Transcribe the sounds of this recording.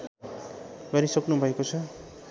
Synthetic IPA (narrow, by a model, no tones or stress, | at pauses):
baɾisʌknubʱʌekot͡sʰʌ